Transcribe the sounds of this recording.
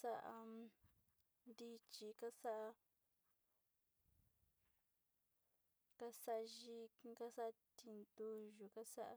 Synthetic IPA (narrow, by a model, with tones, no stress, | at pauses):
sa˦˧ʔa̰˧ | nd̪i˦t͡ʃi˧ka˦sa˦ʔa˧ | ka˦sa˦ʔʒi˦˧ka˦sa˦ʔt̪i˧nd̪u˧ʒu˨ka˦sa˦ʔa˧